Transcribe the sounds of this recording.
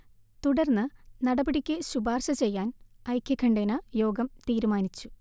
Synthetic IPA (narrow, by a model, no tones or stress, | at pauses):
t̪uɽɐrnːɨnɐɽɐbɐɽikʲːɨɕubaːrɕɐt͡ɕe̞jːaːnɐjkʲːɐkʰɐɳɖenɐjo̞ːɡɐmt̪iːɾumaːnit͡ɕːu̥